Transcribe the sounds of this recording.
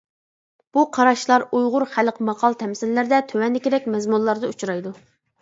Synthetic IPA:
b̥uqʰɑɾɑʃlˠɑɾujʁʊɾχælqʰəmɑqʰɑlˠt̪ʰɛmsɪlːɪɾd̪ɛt̪ʰøwɛnːɪkʲeɾɛk̚ʲmɛzmunlˠɑɾd̪ɨut͡ʃɾɑjd̪u

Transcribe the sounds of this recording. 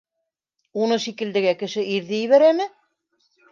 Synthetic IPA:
unɤʃikɘ̆ld̪ɘ̆ɡækɘ̆ʃɘʔiɾðɘjɘ̆βæɾæmɘ

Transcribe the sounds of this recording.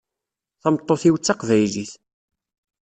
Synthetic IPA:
θæmt̪ˤːoθiwt͡sːɑqvæjliθ

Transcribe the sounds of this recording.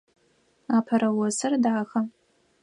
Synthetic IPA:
aːpʰɐɾɐwɔsɨrdaːxɐ

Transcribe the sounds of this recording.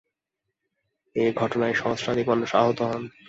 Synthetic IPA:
eɡʱɔʈonaeʃɔŋsʈʰanikmɔnːoʃaɦot̪oɦɔn

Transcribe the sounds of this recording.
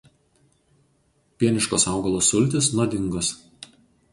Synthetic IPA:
pʲiɛnʲɪʃkoːsɑˑʊɡɐlˠosʊlʲt̪ʲɪsnuɔd̪ʲɪŋɡʊs

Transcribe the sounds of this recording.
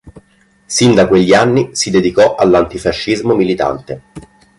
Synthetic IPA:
sind̪akweʎːianːisid̪ed̪ikɔʔalːant̪ifaʃːizmomilit̪a̰nt̪e

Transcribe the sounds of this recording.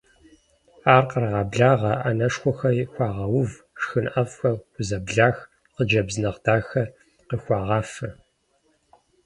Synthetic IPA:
aːrqərʁɑːbɮaːʁɐʔanɐʂxʷɔxɐjxʷɑːʁɐwʊv | ʂxɨnʔɐvxɐʊzɐbɮaːx | qəd͡ʒɐbzɨnɐʁd̥aːxɐ | qəxʷɑːʁɑːfɐ

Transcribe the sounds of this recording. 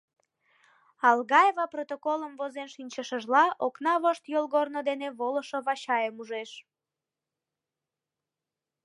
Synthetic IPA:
ɑlɣɑjevɑprot̪okoləmvozenʃinʲt͡ɕəʃəʒlɑʔoknɑβoʃt̪jolɣornod̪eneβoləʃoβɑɕɑjəmuʒeʃ

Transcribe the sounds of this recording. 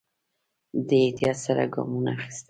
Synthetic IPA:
d̪əet̪ijɑt̪saɾa̰ɡɑ̰munaxɪ̥st̪

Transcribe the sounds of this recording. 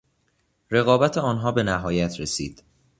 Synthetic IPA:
ɾe̞ɣɒːbæt̪ʰeɒːnɦɒːbe̞næɦɒːjæt̪ʰɾesḭːd̪̥

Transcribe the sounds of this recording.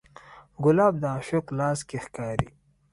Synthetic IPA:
ɡʊlɑːb̚d̪əaʃoqlɑːskexkɑːɾḭ

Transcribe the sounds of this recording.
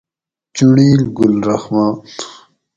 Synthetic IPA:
t͡ɕuɳiːlɡulɾɐxmaːt

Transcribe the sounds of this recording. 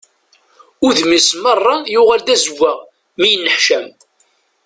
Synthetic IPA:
ʊɾðmismərˤːɑjʊʁæld̪æzvːæ | mijənːəħʃæm

